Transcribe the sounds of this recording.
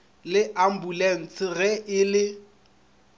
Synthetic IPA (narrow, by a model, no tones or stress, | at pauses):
lɪʔam̩bulɛn̩t͡sʰʼɪɣɛʔɪlɪ